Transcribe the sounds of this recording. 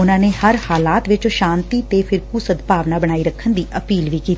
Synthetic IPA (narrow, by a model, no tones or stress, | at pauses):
ʊnãːneːhəɾhaːlaːt̪ʋɪt͡ʃʃãːnt̪iːt̪eːpʰɪɾkuːsəd̪paːʋnaːbəɽ̃aːiːɾəkʰːənd̪iːʔəpiːlʋiːkiːt̪ː